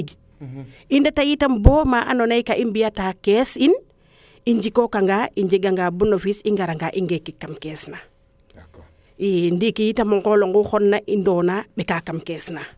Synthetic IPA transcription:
ɡ | indatajitamboːmaʔa̰nonajkaʔimbijatakesin | iɲd͡ʒikokaŋɡaiɲd͡ʒiɡaŋɡabunofisiŋɡaɾaŋɡaʔiŋɡekːikːamkesna | indikijitamuŋkoloŋɡuxonːaʔindoːnabekakamkesna

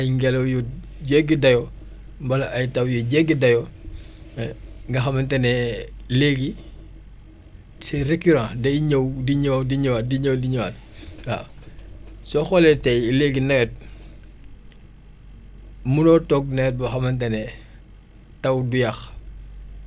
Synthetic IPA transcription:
ɐjŋɡɛlɐwjɔ | ɟɛɡːidɐjɔ | mbɐlɐʔɐjtɐwjɔɟɛɡːidɐjɔ | ŋɡɐxɐmɐntɐnɛleɡi | sirekyɾãdɐɲɐwdiɲdiɲɐwaːt̚diɲɐwdiɲɐwa̰ːt̚a̰ | sɔxɔlɛtɛleɡinɐɡɛt̚ | munɔtɔɡ̚nɛɡɛt̚bɐxɐmɐntɐnɛ | tɐwdujɐx

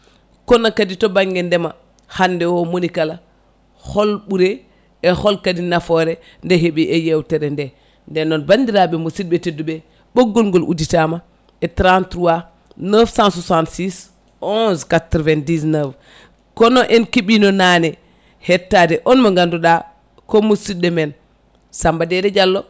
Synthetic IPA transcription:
kɔnakaditɔbaŋɡɛndɛma | handɛwɔmonikala | hɔlɓuɾe | ɛhɔlkadinafɔɾɛ | ndɛɦeɓiʔɛjɛwtɛɾɛndɛ | ndɛnːɔnbandiɾaɓɛmosid̚ɓɛtedːuɓɛ | ɓoɡːɔlŋɡɔlʔṵditama | ɛtɾantɾuwa | nəfsãnsusantsis | ʔɔ̃skatɾvɛndis̬nəf | kɔnɔʔɛnkiɓinɔnanɛ | hɛtːadɛʔɔnmaŋɡanduɗa | komusidɛmɛn | sambadɛdɛd͡ʒalːɔ

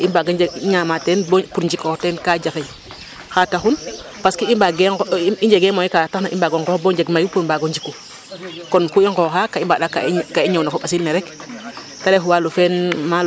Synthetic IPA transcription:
imbaɡad͡ʒeɡiɲamatenbpuɾɲd͡ʒikɔtɛnkad͡ʒaxe | xataxun | paskiimbaɡeiɲd͡ʒeɡemoikataxnaʔḭmbaɡoŋkɔboɲd͡ʒeɡmajupuɾmbaɡoɲd͡ʒikːu | kɔnkuiŋkɔxakaimbaɗakakaiɲownakoɓasilneɾɛk | talefuwalufɛnma

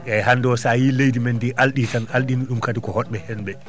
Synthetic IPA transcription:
ʔɛhandɔsajilejdimɛndiʔalɗitanalɗinuɗumkadikɔhɔɗɓɛhɛnɓɛ

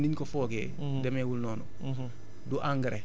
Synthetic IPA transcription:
niɲkɔfɔːɡɛ̰ː | dɛmɛwulnɔːnɔ | duʔaŋɡɾɛ

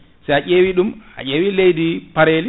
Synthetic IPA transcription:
sɛjaʔeːwiɗuma̰ʔeːwilejdipaɾeːli

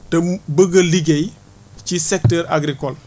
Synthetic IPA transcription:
tɐbəɡɐliɡej | cisektəɾa̰ɡɾikol

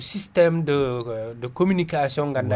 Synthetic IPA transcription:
sistɛmdədəkomynikasiɔ̃ŋɡɐnda

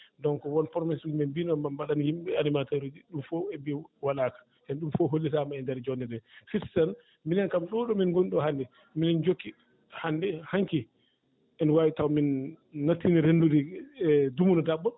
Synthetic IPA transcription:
dɔŋkɔwɔnpɔɾmɛsumɛnbinɔmambaɗanjimɓɛanimataɾudiɗumfɔɛbiwalaːkḁ | ʔɛnɗumfɔɦolːitamaɛndɛɾd͡ʒɔnɛdɛfitsan | minɛnkamɗɔɗɔminɡoniɗɔhandɛ | minɛnd͡ʒokːi | handɛhaŋki | ʔɛnwawitawminː | atːiniɾendudi | dumunɔdaɓːɔ

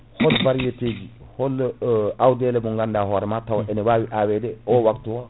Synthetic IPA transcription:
hɔlbaɾjeteɡi | hɔlawdɛlɛbuŋɡandaɦɔɾɛmatawaʔɛnɛwawiʔawɛdɛɔwaktuwa

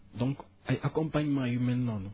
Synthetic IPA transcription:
d̪ɔ̃ŋk | ajʔakɔ̃mpaɲmajumɛnːɔnɔ

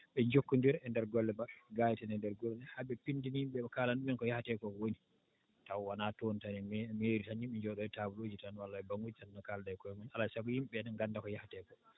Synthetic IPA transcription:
ɓɛɲd͡ʒokːundiɾɛndɛɾɡɔlːɛɓaɡajtanɛndɛɾɡɔlɛhabɛpindinjimɓɛbakaːlanɗumɛnkɔjahatɛkɔwoni | tawwanatontanimeɾitanimɓɛɲd͡ʒɔɗɔɛtabulod͡ʒitanwalːaɛbaŋɡud͡ʒtanːɔkaldajkɔjɔmanalasabujimɓɛnɛnɡandakɔjahatɛkɔ

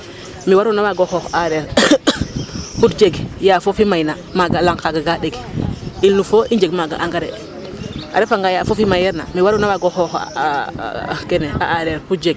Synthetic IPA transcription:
miwaɾunawaɡoxoxaɾeɾ | putd͡ʒeɡjafofimajnamaɡalaŋkaɡaɡaɗeɡilnufoʔiɲd͡ʒeɡmaɡa̰ʔaŋɡaɾḛ | a̰ɾefaŋɡajafofimajɛɾna̰miwaɾunawaɡoxox | keneaaɾeɾput̚d͡ʒeɡ̚

